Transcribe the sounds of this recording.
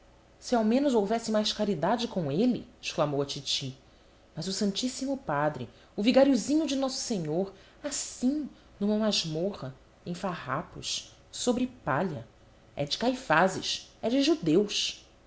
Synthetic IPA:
siawmẽnʊzowvɛsɪmajskaɾid̪ad͡ʒɪkõw̃elɪ̰ɪʃklamowɐt͡ʃit͡ʃi | mɐzʊsɐ̃nt͡ʃisimʊpad̪ɾɪ̰ | ʊviɡaɾiuzĩɲʊd͡ʒɪnɔsʊ̥seɲoɾ | asĩ | nũmɐ̃aʒmoʁɐ | ẽj̃faha̰pʊ̰ʃ | sobɾɪpaʎɐ | ɛ̰d͡ʒɪkajfazɪ̰ʃɛd͡ʒɪʒud̪ewʃ

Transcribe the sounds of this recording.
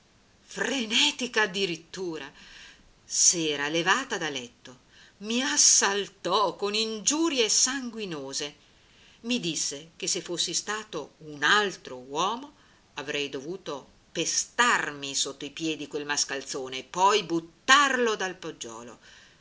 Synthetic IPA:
frenɛːt̪ikaːd̪ːiɾit̪ːuːɾa | sɛːɾalevaːt̪ad̪alɛt̪ːo | miasːalt̪ɔkonind͡ʒuːɾjesaŋɡwinoːze | mid̪isːekesːefːosːist̪aːt̪ounalt̪ɾowɔːmo | avɾɛjd̪ovuːt̪o | pest̪armisot̪ːoipjɛd̪ikwelmaskalt̪soːneːpːɔjbut̪ːarlod̪alpod͡ʒːɔ̰ːlo̰

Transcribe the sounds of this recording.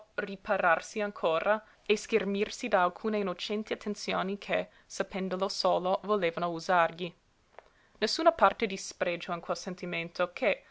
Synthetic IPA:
ripaɾarsiaŋkʰoːɾʔa | eskermirsid̪aːlkʰuːneinot͡ʃɛnt̪iat̪ʰːent̪sjoːnikʰe | sapɛnd̪olosoːlovoleːvanouzarʎi | nesːuːnapart̪ed̪ispɾed͡ʒoinkwɛlsent̪iment̪ʰokʰe

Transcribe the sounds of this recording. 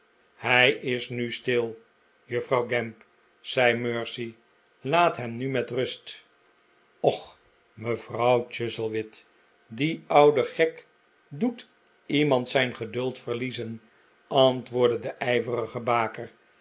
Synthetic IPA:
hɛjɪsnystɪlˠ | jɵfrɑwɡɛmp | sɛjmøːɹsi | laːtɦɛmnymɛtrɵst | ɔχ | məvrɑwt͡ʃɪzəlˠʋɪt | diɑwdəχɛk | dut | imɑntsɛjnχədɵlˠtfəʁlizən | ɑntʋʊːɹdədəʔɛjvərəχəbaːkər

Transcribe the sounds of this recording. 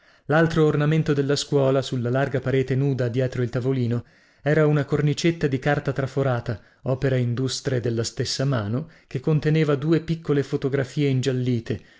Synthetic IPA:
lalt̪ɾoːrnament̪od̪elːaskwɔːlasulːalarɡapaɾeːt̪enuːd̪ad̪jɛːt̪ɾoilt̪avoliːno | ɛːɾaunakornit͡ʃet̪ːad̪ikart̪at̪ɾafoɾaːt̪a | ɔːpeɾaind̪ust̪ɾed̪elːast̪esːamaːnokekːont̪eneːvad̪uːepikːolefot̪oɡɾafiːeind͡ʒalːiːt̪e

